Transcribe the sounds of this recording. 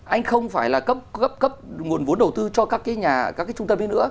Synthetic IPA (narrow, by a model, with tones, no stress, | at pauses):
ʔa˧jŋ̟xə˧wŋ͡mfaː˧˩jlaː˨˩kə˦˥p̚ə˦˥p̚kə˦˥p̚ŋu˨˩ənvu˨˦ənɗə˨˩wt̪ɨ˧t͡ɕɔ˧kaː˦˥kːaː˨˦jɲaː˨˩kaː˦˥kaː˨˦t͡ɕʊ˧ŋ͡mt̪ə˧mhe˨˦nɨ̰˧˥ə